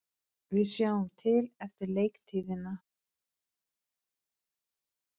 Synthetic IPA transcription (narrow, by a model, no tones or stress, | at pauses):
vɪðsjaːwʏmt̪ʰɪlɛft̪ɪɾleːjkt̪ʰiːðɪna